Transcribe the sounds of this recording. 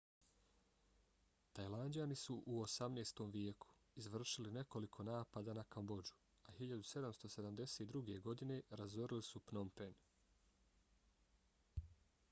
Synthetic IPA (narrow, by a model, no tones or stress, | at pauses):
t̪ajlˠandianisuʔuosamneːst̪o̞mʋjekʰu̥izʋr̩ʃiline̞ko̞likʰo̞naːpad̪anakambo̞d͡ʒu̥ | ahiʎad̪use̞d̪amst̪o̞se̞d̪amd̪e̞seːt̪̚d̪ɾuɡe̞ɡo̞d̪ine̞ɾazoɾilisupnompen